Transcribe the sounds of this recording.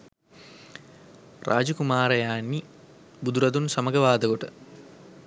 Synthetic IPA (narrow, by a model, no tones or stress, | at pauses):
rʔa̰ːd͡ʒɐkumaːɾɐjaːnːi | bud̪uɾɐd̪unsɐmɐɡɐʋaːd̪ɐɡoʈɨ